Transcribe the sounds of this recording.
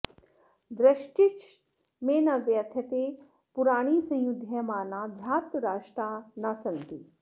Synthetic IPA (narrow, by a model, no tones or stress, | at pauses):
d̪ɾɐʃʈit͡ʃ | meːnɐʋjɐt̪ʰjɐt̪e | puɾaːɽ̃iːsɐ̃jud̪ʱjɐmaːnaːd̪ʱjaːt̪ɾaːʂʈɾaːnasɐnt̪iː